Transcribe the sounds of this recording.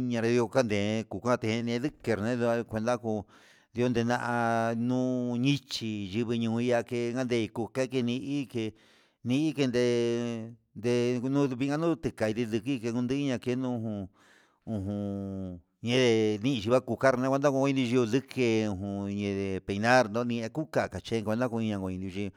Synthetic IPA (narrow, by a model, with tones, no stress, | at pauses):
ɲã˧ɾe˧i˧o˧ka˦nd̪ẽ˨˧ku˨kʷã˦˧t̪ẽ˧hẽ˧nĩ˧˦ðɨ˦ke˧ɾnẽ˦ða˧kʷe˧nd̪a˦ku˧ | ði˧o˧˦nd̪e˧nã˧ʔa˧nũ˦ɲĩ˦t͡ʃi˧ʒi˧βi˧ɲũː˧i˧ja˧ke˧˦ŋɡa˦nd̪e˧i˧ku˧ke˦˧ke˧nĩ˧ʔi˦ke˧ | nĩ˧i˦ke˧nd̪e˧ | nd̪e˧nũ˦βi˧˦ŋɡa˦nũ˦t̪ɨ˧ka˨i˧t̪i˧ðɨ˧ki˦˧ke˧kũ˧nd̪ɨ˦i˦ɲã˧ke˧˦nũ˦ũ˧ɦũ˧ | ũ˧ɦũ˧ | ɲẽ˧ðe˧nĩ˦ĩ˧ʃi˧βa˦ku˧ka˦ɾnã˧˦kʷe˧nd̪a˦ku˧o˧ĩ˧d̪ĩ˧ʒi˧u˧ðɨ˦ke˧ũ˧˨ɦũ˧ɲẽ˧ðe˨pe˧˨˧nã˦ɾnd̪õ˦nĩ˧e˧ku˦ka˧˨ka˨t͡ʃe˦˧kʷe˧nd̪a˦ku˧i˧ɲã˧ɡo˧ĩ˧d̪ĩ˧ʒi˧